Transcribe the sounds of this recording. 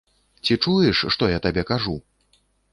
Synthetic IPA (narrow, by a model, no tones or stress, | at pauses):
t͡sʲit͡ʂujɛʂːt̪ɔjat̪abʲɛkaʐu